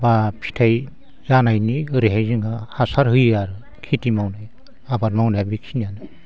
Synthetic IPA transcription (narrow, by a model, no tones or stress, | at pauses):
bapʰi̥tʰaj | zanajniɯɾiɦajzɯŋahasaɾɦɯjaɾɯ | kʰitimawnaj | abaɾmawnajbikʰinjanɯ